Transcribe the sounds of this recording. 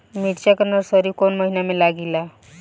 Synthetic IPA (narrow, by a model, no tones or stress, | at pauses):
miʈt͡ɕjakəɾnəɾsəɾikonməɦinamelaɡila